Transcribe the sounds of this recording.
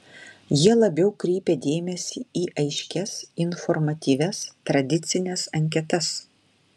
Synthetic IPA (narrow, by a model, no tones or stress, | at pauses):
jiɛlˠɐbʲɛʊkɾʲiːpʲed̪ʲeːmʲɛsʲiːiːʔɐɪʃʲkʲɛsɪnfɔɾmɐt̪ʲiːʋʲɛst̪ɾɐd̪ʲɪt̪sʲɪnʲɛsɐŋʲk̬ʲɛt̪ɐs